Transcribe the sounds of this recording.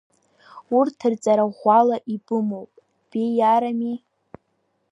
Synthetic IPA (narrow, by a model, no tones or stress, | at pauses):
urtʰɨrt͡sʼaɾaʁʷalaʔibɨmowpʼ | b̥ejaɾami